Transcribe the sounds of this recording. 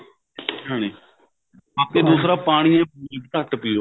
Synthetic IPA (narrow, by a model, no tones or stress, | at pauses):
ɦãːniː | aːkeːd̪uːsɾaːpaːɽ̃iːɛ̃ːbukt̪əʈpiːoː